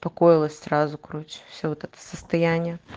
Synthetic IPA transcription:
pɐkɔjɪlˠəsʲsʲrazʊkɾut͡ɕʲwsʲovɔt̪ɛt̪ə̥səst̪ɐjanʲːɪjə

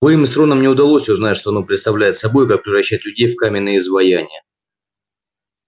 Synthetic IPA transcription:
vɐimɪnt̪ɾo̞nəmnʲɪʊd̪ɐlˠo̞sʲʊznatʲʂt̪o̞ɐnopɾʲɪt̪st̪ɐvlʲæjɪt̪sɐbo̞jʊkak̚pɾʲɪvrɐɕːætʲlʲʉdʲejfkamʲɪnːɨjəzvɐjanʲɪjə

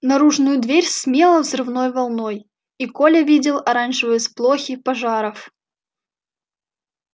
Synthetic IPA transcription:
nɐɾuʐnʊjʊd̪vʲeɾʲsmʲelˠəvzrɨvnojvɐlˠnoj | ikolʲəvʲidʲɪlˠɐɾanʐɨvəjəsplˠoxʲipɐʐɑɾəf

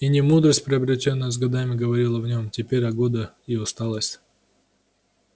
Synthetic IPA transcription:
inʲɪmud̪ɾəsʲtʲpɾʲɪɐbɾʲɪtʲo̞nːəjəzɡɐd̪amʲɪɡəvɐɾʲilˠəvnʲo̞mtʲɪpʲeɾʲɐɡod̪ə | iʊst̪alˠəsʲ

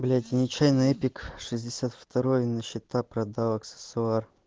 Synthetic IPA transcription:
blʲat̪ʲɪnʲɪt͡ɕajnɨepʲɪkʂɨzʲdʲɪsʲat̪ft̪ɐɾojnəɕːɪt̪apɾɐd̪awɐksə̥sʊar

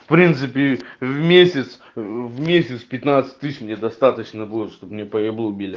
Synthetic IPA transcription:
fpɾʲint̪sɨpʲɪvmʲesʲɪt̪s | vmʲesʲɪt̪spʲɪt̪nat̪sɨ̥tʲt̪ɨɕmnʲed̪ɐst̪at̪ət͡ɕnəbɨlˠəʂt̪opmnʲepəjɪblˠobʲilʲɪ

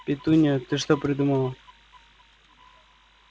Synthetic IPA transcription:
pʲɪt̪unʲət̪ɨʂt̪opɾʲɪd̪uməlˠə

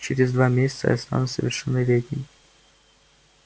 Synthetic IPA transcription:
t͡ɕeɾʲɪzd̪vamʲesʲɪ̥t̪sə̰jɛ̰st̪a̰nʊt̪ʲsəvʲɪrʂɛnːəvʲed̪ʲnʲɪmʲ

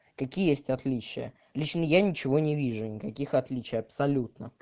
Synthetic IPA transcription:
kɐkʲijjesʲtʲɐt̪lʲit͡ɕɪ̰jə̰ | lʲit͡ɕnəjanʲɪt͡ɕɪvo̞nʲɪvʲiʐʊnʲɪkɐkʲixɐt̪lʲit͡ɕɪjɐpsɐlʲut̪nə

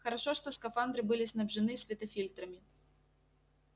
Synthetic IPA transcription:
xɐɾaʂɔʂt̪ɔskafand̪ɾɨbɨlʲisnɐbʐɨnɨsʲvʲɛt̪ɐfʲilʲt̪ɾɐmʲi

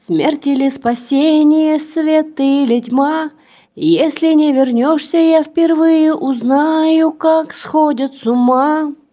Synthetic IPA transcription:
smʲertʲɪlʲɪspɐsʲenʲɪjəsvʲet̪ɨlʲɪtʲma | jesʲlʲɪnʲevʲɪrnʲoʂsʲəjafpʲɪrvɨjəʔʊznajʊkaksxodʲɪt̪sʊma

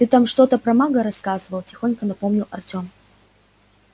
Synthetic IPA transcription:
t̪ɨt̪amʂt̪o̞t̪əpɾɐmaɡəɾɐskazɨvəlˠtʲɪxo̞nʲkənɐpomnʲɪlˠɐ̰rtʲom

